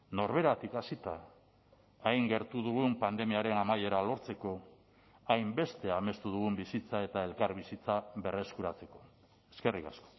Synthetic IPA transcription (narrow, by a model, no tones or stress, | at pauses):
no̞ɾβe̞ɾat̪ikasit̪aː | jŋɡe̞ɾt̪uðuɣ̞umpand̪e̞miaɾe̞namaje̞ɾalo̞ɾt͡se̞ko̞ | ajmbe̞st̪e̞ame̞st̪uðuɣ̞umbisit͡sae̞t̪ae̞lkaɾβisit͡saβe̞re̞skuɾat͡se̞ko̞̥ | e̞ske̞rika̰sko̥